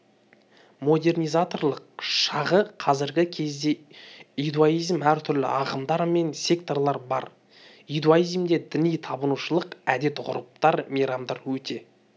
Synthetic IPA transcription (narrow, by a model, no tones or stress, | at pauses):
mo̞d̪e̞rnijzat̪o̞rlˠəq̚ʃɑʁəqʰɑzɪɾɡʲɪkʲʰe̞zd̪e̞ | ijd̪ualijzmæɾt̪ʰʏɾlɪ̰ɑʁəmd̪ɑɾme̞nsʲe̞kt̪o̞rlˠɑɾbɑ̰ɾ | id̪uaijzmd̪e̞d̪ɪnijt̪ʰɑbənuʃəlˠəqæd̪e̞t̪ʁʊ̰ɾəp̚t̪ɑɾmijɾɑmd̪ɑɾwɵt̪e̞